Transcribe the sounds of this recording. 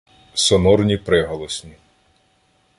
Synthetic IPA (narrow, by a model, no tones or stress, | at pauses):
sɔnɔrnʲipɾɪɦɔlˠɔsʲnʲi